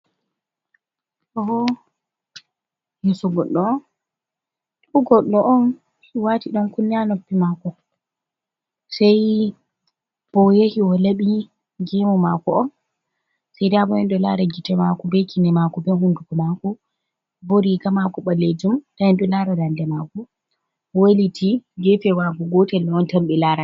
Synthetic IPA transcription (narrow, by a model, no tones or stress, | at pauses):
ʔɔɔ | jɛsɔɡɔɗːɔn | uɡɔɗːɔʔɔn | hiwatiɗɔnkunːianopːimakɔ | sɛj | b̥ɔjehiwɔleɓi | ɡimɔmakɔɔn | sɛjdiabɔjɛnɗɔla̰ɾaɡitɛmakɔbɛkʰinɛmakɔbɛɦundukɔmakɔ | boɾikamakɔɓaled͡ʒumtaɛnɗɔlaɾadandɛmakɔ | walitʰiɡɛfɛwaɡɔɡɔtɛlːɔɔntamɓɛlaːɾa